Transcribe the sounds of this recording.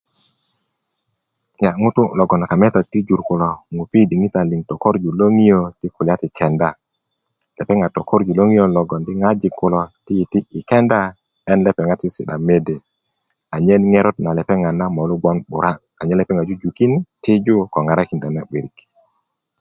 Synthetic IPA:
ɲa˨ŋu˦tʊ˦lɔ˨ɡɔ˨na˨ka˨mɛ˦tɔ˨ti˦d͡ʒu˨ɾkʊ˨lɔ˨ŋu˨pi˦di˨ŋi˦ta˨li˨ŋtɔ˨ko˦ɾd͡ʒu˨lo˦ŋi˦o˦ti˦kʊ˨lja˦tɪ˨kʰɛ˨nda˨ | lɛ˨pɛ˦ŋa˨tɔ˨ko˦ɾd͡ʒu˨lo˦ŋi˦jo˦lɔ˨ɡɔ˨ndɪ˦ŋa˦d͡ʒɪ˨kʊ˨lɔ˨tɪ˦ji˨tiː˦˨kɛ˦nda˦ | ɛ˦nlɛ˦pɛ˨ŋa˦tɪ˦sɪ˨ɗa˨me˦de˨ | a˨ɲɛ˦n˦ŋe˦ɾɔ˦t̚na˨lɛ˨pɛ˦ŋa˨na˦mɔ˨lu˦ɡɔ˦nɓʊ˨ɾa˦ | a˨ɲɛ˦lɛ˨pɛ˦ŋa˨d͡ʒu˦d͡ʒu˨ki˦n˦tɪ˦d͡ʒu˦kɔ˨ŋa˨ɾa˦ki˨ndɛ˨nɛ˦ɓi˨ɾi˨k

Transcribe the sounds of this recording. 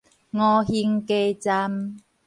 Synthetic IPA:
ŋɔ˧hi˧ŋke˧t͡sa˧m

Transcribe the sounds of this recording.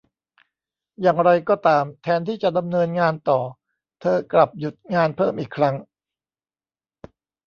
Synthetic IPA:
jaː˨˩ŋɾa˧jkɔː˥˩t̪aː˧mt̪ʰɛː˧nt̪ʰiː˥˩t͡ɕa˨˩da˧mnɤː˧nŋaː˧nt̪ɔː˨˩ | t̪ʰɤː˧kla˨˩p̚ju˨˩t̪̚ŋaː˧npʰɤː˥˩mʔiː˨˩kʰːɾa˦˥ŋ

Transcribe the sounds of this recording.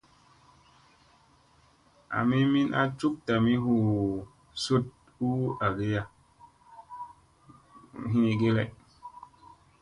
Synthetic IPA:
a̰˨mi˦mi˦nʔa̰˦t͡ʃu˦k̚ta˨mi˦hu˨ | so˦t̚ | u˦a˨ɡe˦ja˨ | ɦi˦ne˨ɡe˦le˨

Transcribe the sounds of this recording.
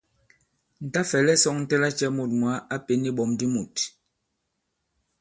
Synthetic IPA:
n̩˨ta˦fɛ˨lɛ˦sɔ˦ŋn̩˦tɛ˦la˦t͡ʃɛ˦mo˨t̚mwa˨˦ʔa˦pe˨ni˦ɓɔ˨mdi˦mu˨t

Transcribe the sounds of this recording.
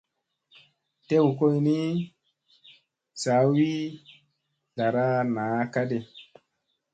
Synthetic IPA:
te˦wko˦jni˦ | sa˨˦wi˦ | la˨ɾa˦naː˨˦ka˦de˨

